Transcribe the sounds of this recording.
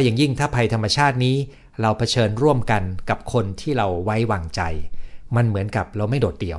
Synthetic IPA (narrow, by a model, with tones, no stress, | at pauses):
jaː˨˩ŋji˥˩ŋt̪ʰaː˥˩pʰa˧jt̪ʰa˧mːa˧t͡ɕʰaː˥˩t̪̚niː˦˥ | ɾa˧wpʰa˧t͡ɕʰɤː˧nɾu˥˩əmka˧nka˨˩p̚kʰo˧nt̪ʰiː˥˩ɾa˧wwa˦˥jwaː˧ŋt͡ɕa˧jma˧nmɯ˩˦ənka˨˩p̚ɾa˧wma˥˩jdoː˨˩t̪̚di˧˩əw